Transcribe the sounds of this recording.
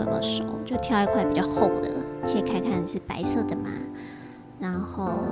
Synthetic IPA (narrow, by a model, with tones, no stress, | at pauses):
ə̰˨˩mə̰˥˩ʂo̰˨˩˦ʊt͡ɕjo˥˩ʊt̪ʰjɑ˥ʊi˧˥kʰwa˥˩pi˨˩t͡ɕjɑ˥˧ʊxo˥˩ʊd̪ə̰˩˦t͡ɕʰi˧˥˧kʰa˥ɪkʰa˥˩n˧˩ɻ̩˥˩pa̰˧˥ɪsɤ˥˩d̪ə˩ma̰˧˦ | ɻa˧˥nxo˥˩ʊ